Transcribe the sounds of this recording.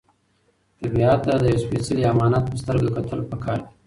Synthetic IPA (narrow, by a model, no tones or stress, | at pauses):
t̪aɾbiɑt̪ːad̪əjaspesaliamɑnɑt̪̚pəst̪əɾɡakat̪ʰəlopəkʰɑɾd̪i